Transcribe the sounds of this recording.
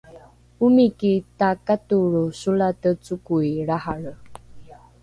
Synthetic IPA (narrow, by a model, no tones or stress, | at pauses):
umikitakatuɾusulatət͡sukuiɾahaɭə